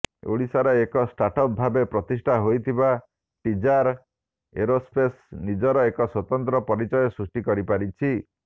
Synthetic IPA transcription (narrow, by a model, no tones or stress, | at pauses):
o̰ɽisaɾɔekɔsʈaʈɔp̚bʱabepɾɔt̪isʈʰaɦojt̪ʰiba | ʈid͡ʒaɾ | ḛɾospesnid͡ʒɔɾɔekɔswɔt̪ɔnt̪ɾɔpɔɾit͡ʃɔjɔsɾusʈikɔɾipaɾit͡ʃʰi